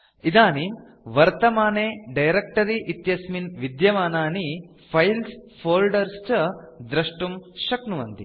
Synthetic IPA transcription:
id̪aːnim | ʋɐɾt̪ɐmaːneːɖɐjɾek̚ʈɐɾiʔit̪jɐsminʋid̪jɐʋaːnaːni | pʰɐjlspʰoːlɖɐɾst͡ʃɐd̪ɾɐʂʈumʃɐknuʋɐnt̪i

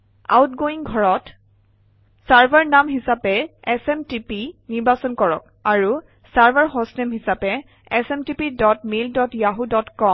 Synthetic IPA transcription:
a̰wtɡoiŋɡʱɔɹɔt | saɹbʱaɹnamɦisapɛɛsɛmtipiniɹbasɔnkɔɹɔ̰k | aɹu | saɹbʱaɹɦɔsnɛmɦisapɛ | ɛsɛmtipidɔtmildɔtjaɦudɔtkɔm

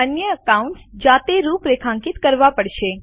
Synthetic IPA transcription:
ənjəəkauɳʈsd͡ʒat̪eɾupɾekʰãŋkit̪kəɾʋapəɽʃe

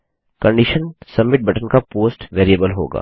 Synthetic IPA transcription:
kɐ̃ɳɖiʃənsɐmːɪʈ̚bʱɐʈənkapoːsʈʋeːɾiəbəlɦo̰ːɡa̰ː

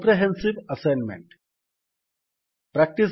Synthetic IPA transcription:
pɾeɦẽnsiʋɐseːnmḛ̃ɳʈ | pɾæk̚ʈis

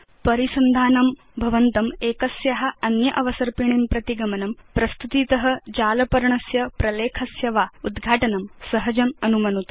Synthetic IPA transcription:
pɐɾisɐnd̪ʱaːnɐm | bʱɐʋɐnt̪ɐmeːkɐsjɐɦɐ̆ɐnjɐʔɐʋɐsɐɾpiɳimpɾɐt̪iɡɐmɐnɐmpɾɐst̪ut̪iːt̪ɐɦɐ̆d͡ʒaːlɐpɐɾɐɳɐsjɐpɾɐleːkʰɐsjɐʋaːud̪ɡʱaːʈɐnɐmsɐɦɐd͡ʒɐmɐnumɐnut̪

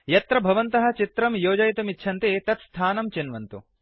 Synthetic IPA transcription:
jɐt̪ɾɐbʱɐʋɐnt̪ɐɦɐ̆t͡ʃit̪ɾɐmjoːd͡ʒɐjt̪ɐmitːʃʰɐnt̪eːt̪ɐt̪st̪ʰaːnɐmt͡ʃinʋɐnt̪u

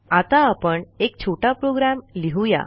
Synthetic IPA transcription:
at̪aːpəɳek̚t͡ɕʰoʈapɾoɡɾamliɦuja̰

